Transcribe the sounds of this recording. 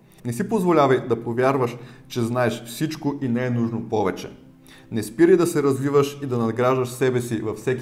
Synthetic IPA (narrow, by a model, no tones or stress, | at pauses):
nɛsipozvolʲavɐjd̪ɐpovʲjaɾvəʃt͡ʃɛznaɛʃfsit͡ʃkoʔinɛɛnuʒnopɔvɛt͡ʃɛ̰ | nɛspiɾəjd̪ɐsɛɾɐzvivəʃid̪ɐnɐd̪ɡɾaʒd̪ɐʃsɛbɛsivɐfsɛkʲ